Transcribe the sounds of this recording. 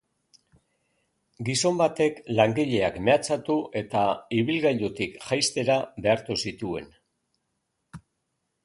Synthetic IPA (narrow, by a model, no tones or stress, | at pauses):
ɡiso̞mbat̪e̞klaŋɡiʎe̞akme̞at͡sat̪uʔe̞t̪aiβilɣajʎut̪ikʝajst̪e̞ɾaβe̞aɾt̪usit̪ue̞̰n